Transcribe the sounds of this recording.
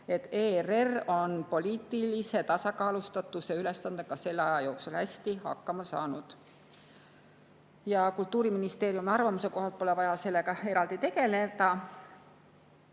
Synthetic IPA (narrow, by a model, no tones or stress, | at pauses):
e̞t̪ːeːrero̞npo̞lʲiːt̪ːˑilise̞t̪ɑsɑkɑːlust̪ɑt̪ːˑuseyle̞sːɑnd̪ekɑse̞lːɑjɑjo̞ːksulhæsʲt̪ihɑ̰kːɑmɑsɑ̰ːnud̪̥ | jɑkult̪ːˑuːɾiminist̪e̞ːɾjumeɑrvɑmuse̞ko̞ɦɑlt̪̚po̞le̞vɑjɑse̞lːe̞kɑe̞ɾɑld̪it̪e̞ɡe̞led̪ɑ